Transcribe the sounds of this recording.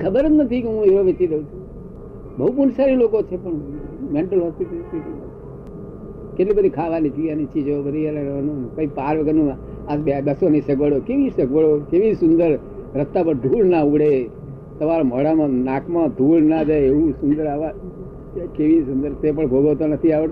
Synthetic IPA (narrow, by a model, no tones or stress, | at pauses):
kʰəbəɾət̪nət̪ʰikeɦũeʋoʋet͡ʃiɾəũt͡ʃʰũ | bəɦupunsaɾilokot͡ʃʰepəɳmeɳʈəlɦɔspiʈisii | keʈlibəd̪ʱikʰaʋanit̪iʋjanit͡ʃʰid͡ʒəʋabəd̪ʱiəleənõkoipaɾʋəɡənũ | ad͡ʒbabəsonisəɡʋəɽokeʋisəɡʋəɭokeʋisʊnd̪əɾ | ɾət̪ːapəɳd̪ʱuɭnauɽe | səʋaɾom̤əɽamãnãkmãd̪ʱuɭnad͡ʒaeeʋusund̪əɾaʋa | keʋisund̪əɾt̪ep̬əɳbʱoɡəʋt̪onət̪ʰiaʋə